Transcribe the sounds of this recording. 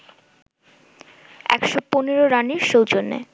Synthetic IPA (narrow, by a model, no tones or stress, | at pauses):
ɛ̰kʃoponeɾoɾaniɾʃowd͡ʑonːḛ